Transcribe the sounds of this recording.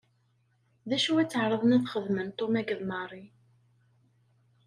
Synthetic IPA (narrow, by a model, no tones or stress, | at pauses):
ðæʃuwæt͡sːəʕɾˤəðˤniθχəðmənt̪ˤːomæɡəðˤmɑrˤi